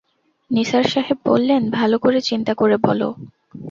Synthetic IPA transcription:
niʃaɾʃaɦeb̚bo̰lːenbʱalokoɾet͡ɕint̪akoɾebɔlo̰

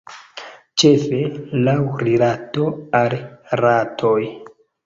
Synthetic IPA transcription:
t͡ʃe̞fe̞lawɾilato̞alratʰo̞j

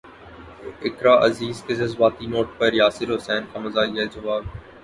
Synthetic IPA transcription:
ɪkɾaːʔɐziːzked͡ʒɐzbaːt̪inoːʈ̚pɐɾjaːsɪɾɦʊsɛːnkamɐzaːɡɐed͡ʒɐʋaːb̚

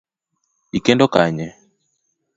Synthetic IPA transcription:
ikɛndɔkaɲɛ

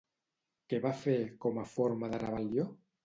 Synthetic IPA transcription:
keβafeɾkomafoɾmaðaɾaβaljo

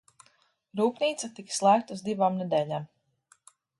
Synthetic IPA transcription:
ɾuːpniːt̪sat̪ikslˠæːk̚t̪auzd̪ivamned̪ɛːlʲam

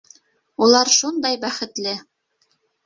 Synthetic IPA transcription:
ulˠɑɾʃund̪ɑjbæχɘ̆t̪lɘ

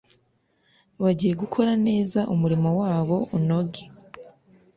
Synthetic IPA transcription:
βaɟije̞ɡukʰo̞ɾane̞ːzaʔumuɾimowaːβo̞uno̞ɡe

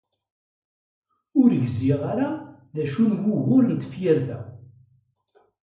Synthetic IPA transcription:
ʊɾʝziʁaɾaðæʃunwʊɣʊɾnt͡s̪ːə̥fjɪɾðæ

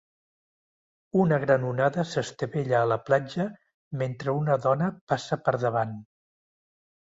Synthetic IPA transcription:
unəɣɾanunaðəsəst̪əβɛʎəːləplad͡ʒə | ment̪ɾəunəðɔnəpasəpəɾðəβ̞an

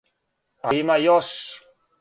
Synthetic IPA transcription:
aimajɔs

